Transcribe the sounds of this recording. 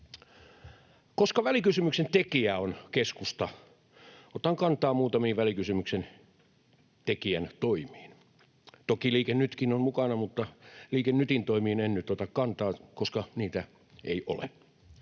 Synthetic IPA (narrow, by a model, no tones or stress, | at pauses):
koskɑʋælikysymyksent̪ekiæonkeskust̪ɑ | ot̪ɑŋkɑnt̪ɑːmuːt̪ɑmiːʋʋælikysymyksen | t̪ekiænt̪oimˑiːn | t̪okiliːkennyt̪kinonmukɑnɑmut̪ːɑliːkennyt̪int̪oimiːnennyt̪ot̪ɑkkɑnt̪ɑːkoskɑniːt̪æ | ḛiʔo̰lḛ